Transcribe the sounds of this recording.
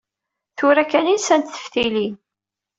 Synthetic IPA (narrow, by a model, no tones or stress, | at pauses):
θʊɾækæninsænt̪θə̥fθilin